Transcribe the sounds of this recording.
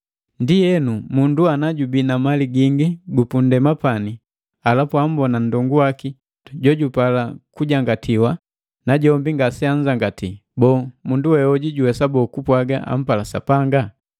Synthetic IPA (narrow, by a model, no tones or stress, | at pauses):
ndijɛnumunduanaɟubinamaliɡiŋɡiɡupundɛmapani | alapuam̩bɔnan̩dɔŋɡuwaki | ɟɔɟupalakuɟaŋɡatʰiwa | naɟɔmbiŋɡasɛaɲ̩d͡ʒaŋɡatibɔːmunduwɛɔɟiɟuwɛsabɔːkupwaɡa̰a̰m̩palasa̰paŋɡa